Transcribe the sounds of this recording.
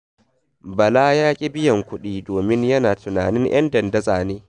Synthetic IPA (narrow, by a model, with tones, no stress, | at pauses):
bɐ˨laː˦jaː˦kʲʼɪ˦bɪ˦jɐ˨ŋkʷʊ˦ɗiː˦doː˨mɪ˦ɲjɐ˦naː˨tʊ˨naː˨nɪ˦ŋʔɐ̰˦ndɐ˨ndɐ˦zaː˨neː˦